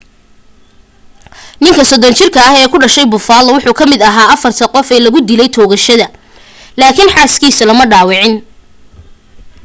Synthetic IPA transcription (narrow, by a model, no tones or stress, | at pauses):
nɪŋkʰɐsɔd̪ɔnt͡ʃɪrkʰɐːhɛːkʰʊɖɐʃɛjbʊfaːlɐwʊħuːkʰɐmɪd̪ɐɦaːɐfɐrt̪ʰɐqɔfɛːlɐɣʊd̪ɪlɛjt̪ʰɔːɣɐʃɐðɐ | laːkʰɪnħaːskʰiːsɐlɐmɐɖaːwɪʕɪn